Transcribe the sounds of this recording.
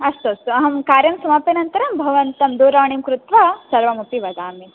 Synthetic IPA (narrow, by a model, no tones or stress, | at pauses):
ɐst̪ɐst̪uɐɦɐmkaːɾjɐmsɐmaːpɐnɐnt̪ɐɾɐmbʱɐʋɐnt̪ɐmd̪oːɾaːɳimkɾut̪ʋaːsɐɾʋɐmupiʋɐd̪aːmi